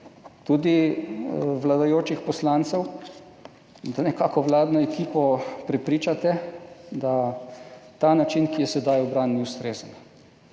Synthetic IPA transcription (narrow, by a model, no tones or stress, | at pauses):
t̪ud̪i | ʋlad̪ajoːt͡ʃixpɔslaːnt̪sɛw | d̪anɛkaːkɔʋlaːd̪nɔɛkiːpɔpɾɛpɾiːt͡ʃat̪ɛd̪a | t̪anat͡ʃinkijɛsɛd̪ajɔbɾanːiust̪ɾeːzən